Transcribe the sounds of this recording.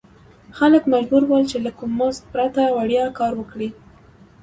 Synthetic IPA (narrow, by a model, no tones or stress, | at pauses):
xaləkmad͡ʒbuɾwəlt͡ʃelakumːozt̪̚pɾat̪awaɽjɑkɑɾwəkɽi